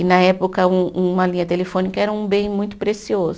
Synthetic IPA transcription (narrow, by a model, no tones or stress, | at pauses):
ɪnɐɛpokɐũũmɐlĩɲɐt̪elefõnikɐɛɾɐũbẽj̃mũj̃t̪ʊ̥pɾesiozʊ